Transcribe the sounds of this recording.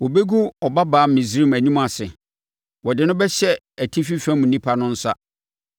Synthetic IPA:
wɔ˨be˦ɡu˦ɔ˨ba˦baː˨˦mĩ˨sɾi˦mæ˨ɲĩ˦mã˨sɪ˨ | wɔ˨dɪ˨˦nʊ̃˦bɛ˦ɕɛ˦ | æ˨tʰi˦fi˦fɛ̃˦m̩˨nĩ˦pʰa˦nʊ̃˦n̩˦sa˦

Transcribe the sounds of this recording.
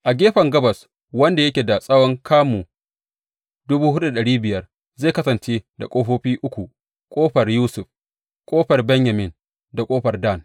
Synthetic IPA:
ʔa˨ɡʲeː˦ɸɐ˨ŋɡɐ˦bɐ˨s | wɐ˦nda˨jɐ˦kʲeː˨da˨sʼɐ˦wɔ˦ŋkʰaː˦muː˨ | dʊ˦buː˦ɦʊ˦ʔu˦da˨ɗɐ˨ɽiː˦bɪ˨jɐ˦r | zeː˦˨kɐ˦sɐ˨nt͡ʃeː˦da˨kʼoː˦ɸoː˦ɸiː˦ʔʊ˦kʷu˨ | kʷʼoː˦ɸɐ˨rjuː˦sʊ˨ɸ | kʷʼoː˦ɸɐ˨rbɛ˦ɲja˨mɪ˨n | da˨kʼoː˦ɸɐ˨rda˦˨n

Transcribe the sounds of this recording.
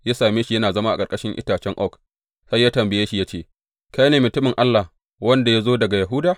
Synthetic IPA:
jaː˦saː˨meː˦ʃi˨jɐ˦naː˨zɐ˦ma˦ʔa˨kʼɐ˨rkʼɐ˦ʃɪ˦ŋʔɪ̰˦taː˨t͡ʃɛ˦ŋʔɔ˦˨k | sa˦jːaː˦tɐ˨mbɪ˨jeː˦ʃi˨ja˦t͡ʃeː˦˨ | ka˦jneː˨mʊ˨tʊ˦mɪ˨ŋʔa˦lːa˨ | wɐ˦nda˨ja˦zoː˦dɐ˨ɡa˨jɐ˨ɦʊ˦daː˨

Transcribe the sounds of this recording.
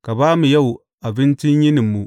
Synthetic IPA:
ka˨baː˦mu˨ja˦wu˨ | a˨bɪ˦nt͡ʃɪ˦ɲjɪ˦nɪ˨mːu˨

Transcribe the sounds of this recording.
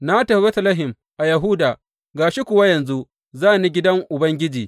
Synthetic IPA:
na˦tɐ˨˦be˦tɐ˦lɐ˦ɦɪ˨m | ʔa˨jɐ˨ɦʊ˦daː˨ | ɡaː˨ʃi˦kʷʊ˨wa˦jɐ˨nzu˦ | zaː˦˨ni˦ɡʲɪ˦dɐ˦ŋʔʊ˨bɐ˦ŋɡʲɪ˦d͡ʒiː˨

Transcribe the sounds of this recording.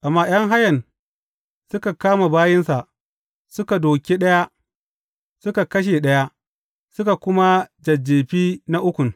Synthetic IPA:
ʔa˨mːaː˦j̰ɐ˦ŋɦa˦jɐ˨n | sʊ˦ka˨kaː˦ma˨baː˦jɪ˦nsa˨ʔ | sʊ˦ka˨doː˨kʲe˦ɗɐ˦ja˦ʔ | sʊ˦ka˨kɐ˦ʃ̬e˨ɗɐ˦ja˦ʔ | sʊ˦ka˨kʷʊ˦ma˦d͡ʒɐ˨d͡ʒːeː˨ɸiː˦na˦ʔʊ˦kʷʊ˨ŋ

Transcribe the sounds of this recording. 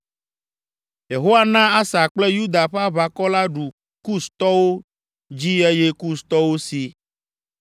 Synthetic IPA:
je˨ɦo˦a˦nã˦a˦sa˨k͡ple˦ju˦d̪a˨ɸa˦βa˨kɔ˦la˦ɖu˨ | ku˦st̪ɔ˦wo˦ | d͡ʑi˦ɛ˦je˦ku˦st̪ɔ˦wo˦si˨

